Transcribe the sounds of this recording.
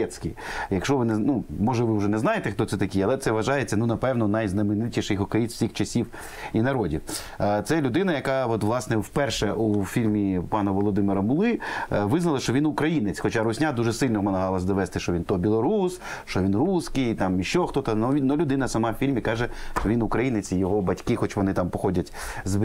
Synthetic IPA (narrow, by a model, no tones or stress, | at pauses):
ɛsʲkʲijjɐkʃt͡ʃɔʋɪnɛnumɔʒɛʋɪwʒɛnɛzɑjet̪ɛxt̪ɔt̪sɛt̪ɐkʲiɐlˠɛt̪sɛʋɐʒɑjet͡sʲːɐnunɐpɛwnɔnɐjznɐmɪnɪtʲiʃejxɔkɐjit͡s̪wsʲixt͡ʃɐsʲiw | inɐɾɔdʲiw | t̪sɛlʲʊd̪ɪnɐjɐkɑɔt̪ʋlˠɑsnɛwpɛrʃɛʔufʲilʲmʲipɑnɐʋɔlˠɔd̪ɪmɪɾɐmʊlˠɪʋɪznɐlˠɐʃt͡ʃɔʋʲinʊkɾɐjinɪt͡sʲxɔt͡ʃaɾʊsʲnʲad̪uʒɛsɪlʲnɔmɐnɐɦɑlˠɐzʲd̪ɔʋɛst̪ɪʃt͡ʃɔʋʲint̪ɔbʲilˠɔɾus | ʃt͡ʃɔʋʲinruskijt̪ɑmiʃt͡ʃːɔxt̪ɔt̪ɐnɔinɔlʲʊd̪ɪnɐsɐmɑwfʲilʲmʲikɑʒɛʃt͡ʃɔʋʲinʊkɾɐjinɪt͡sʲijɔɦɔbɐtʲkɪxɔt͡ʃʋɔnɪt̪ampɔxɔdʲɐtʲz